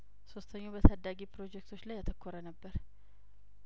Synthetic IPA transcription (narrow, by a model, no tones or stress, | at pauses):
so̞st̪ʰəɲːabət̪ʰad̪ːaɡipɾo̞d͡ʒɛkt̪ʰo̞t͡ʃːlajːat̪ʰəkʰːoɾənəbːəɾ